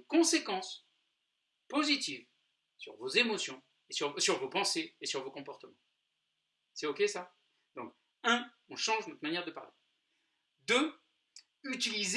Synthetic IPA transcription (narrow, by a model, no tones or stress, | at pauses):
kɔ̃sekɑ̃s | pozit̪iv | syʁvozemɔsjɔ̃ | esyʁsyʁvopɑ̃seːsyʁvokɔ̃pɔʁt̪əmɑ̃ | sɛokʲesa | d̪̥ɔ̃k | ɛ̃ | ɔ̃ʃɑ̃ʒnɔt̪manjɛʁd̪əpa̰ʁle | d̪ø | yt̪iliz